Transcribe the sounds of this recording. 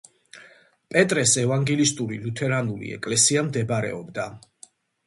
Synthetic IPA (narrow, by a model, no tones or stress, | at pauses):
pʼɛt̪ʼɾɛsɛvaŋɡɛlist̪ʼuɾilut̪ʰɛɾanulḭɛ̰kʼlɛsiamd̪ɛbɾɛ̰ɔbd̪a